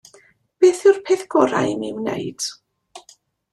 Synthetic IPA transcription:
b̥eːθɪwrpʰeːθɡ̥ɔɾa̰jnimnḛjd̥

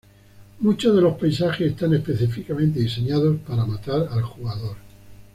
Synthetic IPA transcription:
mut͡ʃozðe̞lo̞spajs̬axesest̪ane̞spe̞θifikamẽnt̪eise̞ɲað̞o̞spaɾamat̪aɾalxuɣaðoɾ

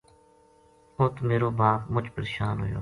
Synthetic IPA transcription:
oːt̪meːɾoːbaːpmʊt͡ʃpəɾeːʃaːnɦo̰ːjo̰ː

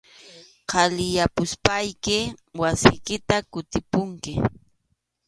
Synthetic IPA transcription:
qʰɑlɪjapʊspajkɪwasɪ̰jkɪt̪akʊt̪ɪpʊŋkɪ

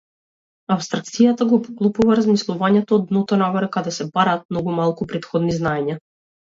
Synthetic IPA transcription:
apst̪ɾak̚t̪sijat̪aɡɔpɔklˠɔpuvaɾazmislˠuvaɲɛt̪ɔːd̪nɔt̪ɔnaɡɔɾɛkad̪ɛsɛbaɾaːt̪̚mnɔɡumalˠkupɾɛt̪xɔd̪niznaɛɲa

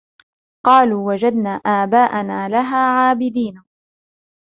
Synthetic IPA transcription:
qɑːluːwad͡ʒad̪naːʔaːbaːʔanaːlaɦaːʕaːbɪd̪iːn

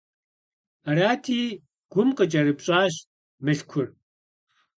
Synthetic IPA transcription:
ɐɾaːtʰiː | ɡ̥ʷʊmqʼət͡ʃʼɐɾɨpɕʼaːɕ | mɨɬkʷʰʊr

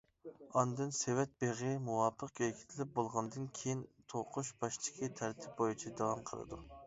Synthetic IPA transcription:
ɑnd̪ɨnsewɛt̪̚b̥eʁɨmuwɑːpʰəq̚kʲøkʲʰi̥t̪ʰɪlɪp̚bolˠʁɑnd̪ɨnkʲʰejint̪ʰoqʰʊʃbɑʃt͡ʃʰɪ̥kʲit̪ʰæɾt̪ʰɪ̥p̚bojut͡ʃʰɛd̪ɑwɑmqʰəlˠɨ̰d̪ṵ

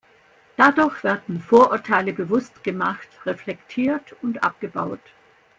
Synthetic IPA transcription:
d̥adʊɐçv̥ɛɐdn̩foːɐʔʊɐtʰaɪləbəvʊstɡ̥əmaχtʁeflɛktʰiːɐtʊntʔa̰p̚ɡ̥əbaʊt

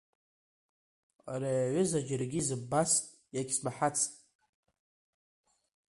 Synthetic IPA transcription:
aɾajaʕʷʊzad͡ʒarɡʲizɨbasʼ | jakʲsmaħat͡sʰʼtʼ

